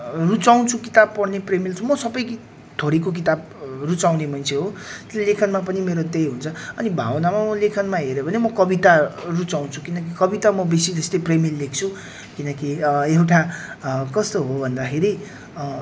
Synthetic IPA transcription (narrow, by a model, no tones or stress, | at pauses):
rut͡saw̃nt͡sʰukit̪ab̚pʌrnepremilt͡sʰũmʌsʌbʌjk | t̪ʰoɾikok̬it̪ab̚ | rut͡sawnemʌnt͡sʰeɦot̪ellekʰʌnmapʌnimeɾod̪ejɦunt͡sʰʌʌnibʱa̰wʌnamamʌlekʰʌnmaɦeɾʌbʱʌnemʌkʌbit̪arut͡saw̃nt͡sʰu̥kinʌkikʌbit̪amʌbesid͡zʌst̪ʌjpremilːek̚t͡sʰu | kinʌkiewʈakʌst̪oɦobʱʌnd̪akʰeɾi